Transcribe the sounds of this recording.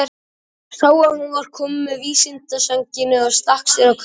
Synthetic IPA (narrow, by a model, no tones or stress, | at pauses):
saːwaðhunvaɾ̥kʰɔːmʏmːɛðviːsɪnt̪asaɲcɪnːɪḁst̪ahksɛɾawkʰ